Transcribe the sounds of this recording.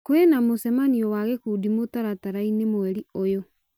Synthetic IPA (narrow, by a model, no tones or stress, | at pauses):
koenamosɛmaniɔwaɣekuːdimotaɾataɾainemoɛɾiojo